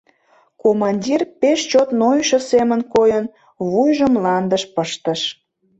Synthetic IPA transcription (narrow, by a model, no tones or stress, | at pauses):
komɑnʲdʲirpeʃt͡ɕot̪nojʃəsemənkojən | βujʒəmlɑnd̪əʃpəʃt̪əʃ